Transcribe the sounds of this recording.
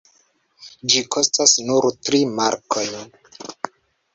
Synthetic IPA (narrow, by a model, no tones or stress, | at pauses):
d͡ʒikʰo̞stasnuɾtɾimaɾkʰo̞jn